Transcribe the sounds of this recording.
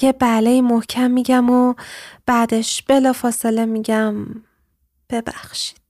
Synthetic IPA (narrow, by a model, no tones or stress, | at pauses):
ebælejimohcʰæmːiɟæmob̥æd̪e̞ʃb̥e̞lɒːfɒːsele̞miɟæm | b̥e̞bæxʃi̥d̪̥